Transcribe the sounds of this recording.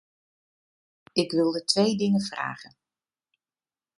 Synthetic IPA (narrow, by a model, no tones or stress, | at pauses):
ɪkʋɪlˠdətʋejdɪŋəv̥ra̰ːɣən